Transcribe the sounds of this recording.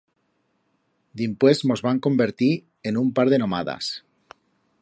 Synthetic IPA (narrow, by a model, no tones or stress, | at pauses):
d̪impwe̞smo̞zβaŋko̞mbe̞ɾt̪i | enumpaɾð̞e̞no̞ma̰ða̰s